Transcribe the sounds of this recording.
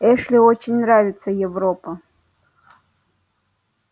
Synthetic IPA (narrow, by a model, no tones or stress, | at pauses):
ɛʂlʲɪot͡ɕɪnʲnravʲɪt̪səjɪvɾopə